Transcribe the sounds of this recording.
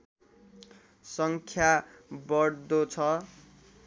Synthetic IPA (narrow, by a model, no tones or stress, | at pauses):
sʌŋkʰjabʌɽd̪ot͡sʰʌ